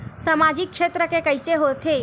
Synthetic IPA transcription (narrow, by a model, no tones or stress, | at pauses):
səmad͡ʒikːʃet̪ɾəkekəjseɦot̪ʰe